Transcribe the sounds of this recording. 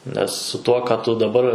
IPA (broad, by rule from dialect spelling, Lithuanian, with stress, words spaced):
nʲɛs sʊ ˈtuɔ kɑː ˈtʊ dɐˈbɐr